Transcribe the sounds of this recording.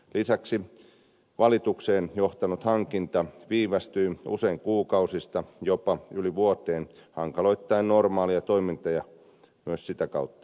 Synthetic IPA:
lisæksi | ʋɑlit̪ukseːnjoht̪ɑnut̪hɑŋkint̪ɑʋiːʋɑst̪yːṵseiŋkuːkɑusist̪ɑjopɑyliʋuot̪eːnhɑŋkɑloit̪ːɑinnormɑːliɑt̪oimint̪ɑjɑ | myøssit̪ækɑut̪ːɑ̥

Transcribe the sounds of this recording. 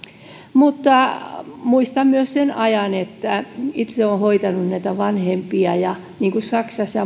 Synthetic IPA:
mut̪ːɑmuist̪ɑmmyøssenɑjɑnet̪ːæit̪seohoit̪ɑnunnæit̪æʋɑnhempiɑjɑ | niːŋkussɑksɑsːɑ

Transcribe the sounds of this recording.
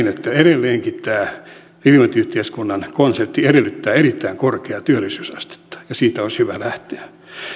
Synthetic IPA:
net̪ːæeɾelːeːŋkitt̪æː | ilimɑt̪yht̪eːskunːɑnkonsert̪ːieɾelːyt̪ːæːeɾit̪ːæiŋkorkeɑt̪yølːisyːsɑst̪e̥t̪ːɑ̥jɑsiːt̪æonshyʋælæht̪eæ

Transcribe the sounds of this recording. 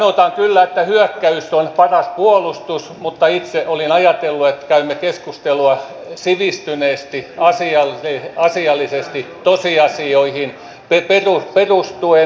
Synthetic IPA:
not̪ɑŋkylːæet̪ːæhyøkːæysːonpɑrɑspuolust̪usmut̪ːɑit̪seʔolinɑjɑt̪elːuet̪kæymːekeskust̪eluɑ | siʋist̪yneːst̪iɑsiɑlɑsiɑlːisest̪it̪osiɑsioihin | peperuperust̪ue

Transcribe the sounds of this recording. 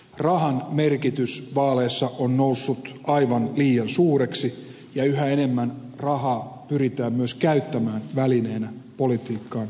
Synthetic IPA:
rɑhɑnmerkit̪ysʋɑːleːsːɑʔonnousːut̪ʔɑiʋɑnliːjɑnsuːreksi | jɑyɦæene̞mːænrɑhɑːpyɾit̪æːmmyøskæyt̪ːæmæːnʋælineːnæpolit̪iːkːɑːn

